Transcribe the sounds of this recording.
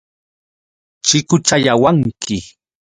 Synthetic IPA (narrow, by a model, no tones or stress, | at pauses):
t͡ʃɪkʊt͡ʃaʎawaŋkʰɪ